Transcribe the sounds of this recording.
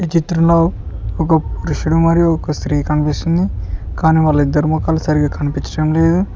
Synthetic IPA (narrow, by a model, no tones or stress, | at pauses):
it͡ʃit̪ɾɐmlo̞ːɔkɐpuɾuʂuɽumɐɾijuɔkɐst̪ɾiːkɐnipist̪und̪ikaːniːʋɐlːɐid̪ːɐɾumɔkaːlusɐɾiɡaːkɐnipit͡ʃɐɽɐmle̞ːd̪u